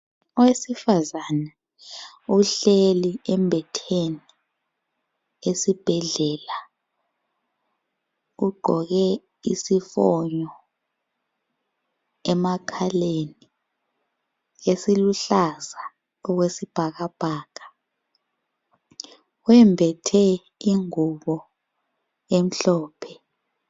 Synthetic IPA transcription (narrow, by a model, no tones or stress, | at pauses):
ɔwesifazana | uɬeliɛmbʱɛtʰeni | esib̥ʱɛɮɛːla | uɡ͡ǃʱɔɣɛ | isifɔːɲɔ | ɛmakʰaleni | esiluɬaza | ɔk̬wesib̥ʱak̬ab̥ʱaːkḁ | wɛmbʱɛtʰɛ | iŋuɓɔ | em̩ɬɔːpʰɛ̥